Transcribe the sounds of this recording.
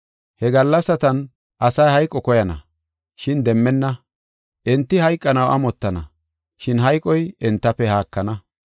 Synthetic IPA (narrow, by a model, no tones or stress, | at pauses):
hɛɡɐlːɐsːɐt̪ɐn | ʔɐsɐjhɐjkʼːɔkɔjɐnɐ̰ | ʃɪnd̪ɛmːɛnːɐ | ʔɛnt̪ːɪhɐjkʼːɐnɐwʔɐ̰mɔt̪ːɐnɐ | ʃɪnɦɐjkʼːɔjɛnt̪ːɐpːɛhaːkːɐnɐ